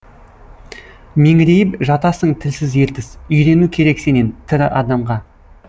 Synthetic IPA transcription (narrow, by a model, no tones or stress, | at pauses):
me̞ŋɪɾe̞jɪpʒɑt̪ɑsəɴt̪ʰɪlsɪzje̞ɾt̪ɪzʏjɾe̞nukʲʰe̞ɾe̞kse̞ne̞nt̪ʰɪɾɪʔɑd̪ɑmʁɑ